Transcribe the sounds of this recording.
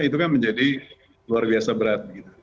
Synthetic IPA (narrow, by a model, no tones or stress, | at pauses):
it̪̬ukanməɲd͡ʒadi | luarbiasabəɾat̪̚ɡit̪u̥